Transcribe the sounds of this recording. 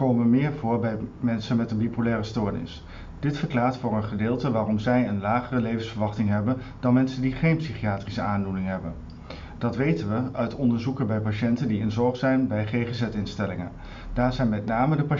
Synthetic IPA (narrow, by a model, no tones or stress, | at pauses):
kowməʋəmɪːɹvʊːɹbɛjmɛnsənmɛtənbipulɛːrəstoːɹnɪ̰s | d̥ɪtfəɹklaːɹtfʊːrənχədɪːlˠtəʋaːrɔmzɛjənlaːχərəlejvənsfəɹʋɑχtɪŋɦɛbən | d̥ɑnmɛnsəndiχejnpsiχijaːtrisəaːndulɪŋɦɛbən | d̥ɑtʋejtənʋəœɥtɔndəɹzukənbɛjpaʃɛntəndiɪnzɔɹχsɛjnbɛjχejχəzɛtɪnstɛlɪŋə̰n | d̥aːɹzɛjnmɛtnaːmədəpa